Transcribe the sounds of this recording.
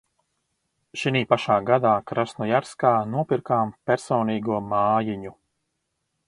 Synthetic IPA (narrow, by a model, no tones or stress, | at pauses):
ʃiniːpaʃaːɡad̪aːkɾasnɔjaɾskaːnuɔpiɾkaːmpʲɛɾsɔːniːɡuɔmaːjiɲu